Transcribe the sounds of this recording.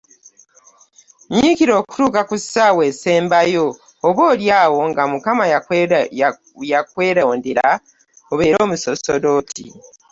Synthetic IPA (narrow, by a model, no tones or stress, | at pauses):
ɲikiɾo̞ːku̥tuːkakusawe̞ːse̞ːmbajo̞ː | βwoːljaːwo̞ŋɡamukama | jakwe̞ːɾaːndeɾa | oβe̞ːɾo̞ːmusosodo̞ːtʰḭ